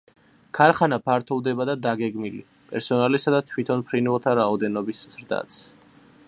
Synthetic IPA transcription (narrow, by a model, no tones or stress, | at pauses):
kʰaɾχanapʰaɾt̪ʰɔvd̪ɛbad̪ad̪aɡɛɡmilḭ | pʼɛɾsɔnalisad̪at̪ʰwit̪ʰɔnpʰɾinvɛlˠt̪ʰaɾaɔd̪ɛnɔbisz̥ɾd̪a̰t̪s